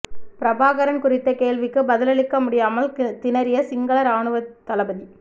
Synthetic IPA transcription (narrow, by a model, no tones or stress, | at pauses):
pɪɾɐbaːɣɐɾɐnkʊrɪt̪ːɐkeːɭʋɪkːɯbɐðɪlɐɭɪkːɐmʊɽɪjaːmɐlt̪ɪnɐɾɪjɐsɪŋɡɐɭɐɾaːɳɯʋɐt̪ːɐlɐbɐði